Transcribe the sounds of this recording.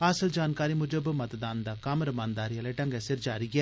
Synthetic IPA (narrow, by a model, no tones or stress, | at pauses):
ɐsəld͡ʒaːnkaːɾimʊd͡ʒəbmɐt̪d̪aːnd̪aːkɐmɾəmãːnd̪aːɾialeʈɐ̃ŋɡɛsɪɾd͡ʒaːɾiɡɛː